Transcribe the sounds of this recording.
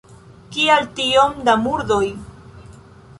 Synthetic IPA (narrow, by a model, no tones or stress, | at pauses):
kialtiomd̪amuɾd̪oj